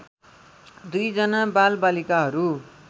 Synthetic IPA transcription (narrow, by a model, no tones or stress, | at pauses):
d̪ujd͡zʌnabalbalikaɦʌɾu